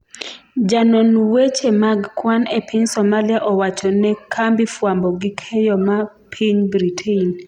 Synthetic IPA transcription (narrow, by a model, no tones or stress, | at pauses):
d͡ʒanonwet͡ʃemaɡkwanepʰiɲsɔmaliaʔɔwat͡ʃɔnɛkʰambifwambɔɡikʰɛjɔma | pʰiɲbɾitʰein